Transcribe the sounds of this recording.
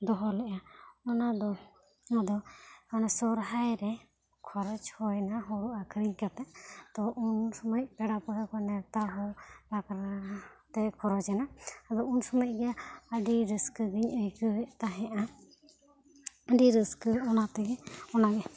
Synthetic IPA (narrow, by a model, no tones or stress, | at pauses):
d̪ɔɦɔlɛʔaɔnad̪ɔ | ad̪ɔanɛsɔɾɦajɾɛ | kʰɔɾɔt͡ʃhɔjnaɦɔɾuʔakʰəɾiɲkat̪ɛʔt̪ɔʔunsɔməc̚pɛɖapɔɦɛkɔnɛt̪aɦɔlakɾt̪ɛkʰɔɾɔt͡ʃɛnaad̪ɔunsɔməc̚ˀɡɛaəɖiɾəskəɡiɲəjkəɛt̪aɦɛ̃ʔa | əɖiɾiskəɔnat̪ɛɡɛɔnaɡɛ